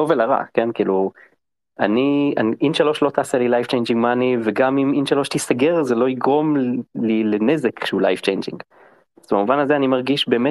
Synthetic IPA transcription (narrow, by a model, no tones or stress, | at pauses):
ovelaʁa̰ke̞nkiːlu | anianʔinʃalo̞ʃlo̞t̪aːselilajft͡ʃejnd͡ʒĩŋɡmaːniveɡamiminʃalo̞ʃt̪isaɡe̞ʁzelo̞iɡʁo̞mlilene̞zekʃeulajft͡ʃejnd͡ʒḭŋɡ | azbamuvanazeanimaʁɡiʃbe̞ːme